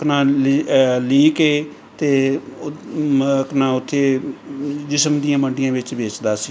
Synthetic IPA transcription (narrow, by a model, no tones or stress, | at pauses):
knãː | liːkeː | t̪eː | knãːʊt̪ʰːeː | d͡ʒɪsəmd̪iãːməɳɖɪjãːʋɪt͡ʃbeːt͡ʃd̪aːsiː